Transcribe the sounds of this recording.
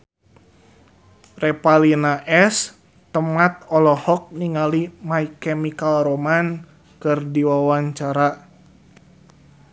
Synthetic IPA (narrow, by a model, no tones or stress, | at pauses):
rɛpalinaʔɛs | t̪əmat̪̚ɔlɔhɔk̚niŋalimaikɛmikalɾoman | kɨrdiwawaɲt͡ʃaɾa